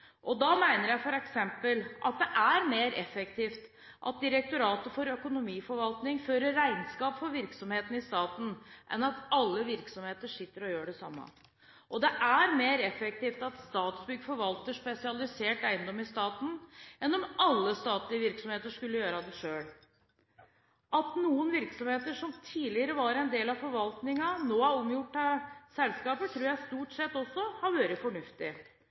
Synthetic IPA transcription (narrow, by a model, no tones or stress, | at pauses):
ʔɔd̪ɑmæɪnəɾjæɪfɔɾɛksɛmpəlʔɑt̪̚d̪ɛʔæɾmeːɾɛfɛk̚t̪ʰiːft̪ | ʔɑ̰t̪̚d̪ɪɾɛk̚t̪ʊɾɑːt̪əfɔɾœkʊnʊmiːfɔɾʋɑlt̪nɪŋføːɾəɾæɪnskɑːpfɔɾʋɪɾksɔmheːt̪n̩ɪst̪ɑːt̪n̩ʔɛ̰nɑt̪ɑlːəʋɪɾksɔmheːt̪əʂɪt̪ːəɾɔjøːɖɛsɑmːə̰ | ʔɔd̪ɛʔæɾmeːɾɛfɛk̚t̪iːft̪ɑt̪st̪ɑːt̪sbʏɡfɔɾʋɑlt̪əʂpɛsɪɑlɪseːʈæɪənd̪ɔmɪst̪ɑːt̪n̩ɛnːɔmɑlːəst̪ɑːt̪lɪəʋɪɾksɔmheːt̪əʂkʉlːəjøːɾɑd̪ɛʂøːɽ | ʔɑt̪nuːənʋɪɾksɔmheːt̪əʂɔmt̪ʰiːlɪəɾəʋɑɾɛnd̪eːlɑfɔɾʋɑlt̪nɪŋɑnoːæɾɔmjʊʈːɑsɛlskɑːpəʈ̪ʰɾʉːjæɪst̪uːʈsɛt̪ːɔsːɔhɑɾʋɑːɾəfɔɳʉft̪ɪ